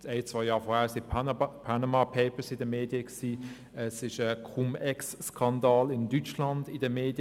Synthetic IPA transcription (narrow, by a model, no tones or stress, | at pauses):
t͡seɪt͡sʋ̥aɪjɑːfɔːhæːsɪpʰanamɑpʰeɪpəsɪdəmeːdjəksiː | ɛsɪʃəkʰumɛksːkʰɑndɑːlɪndyt͡ʃlɑndɪdəmeːdjə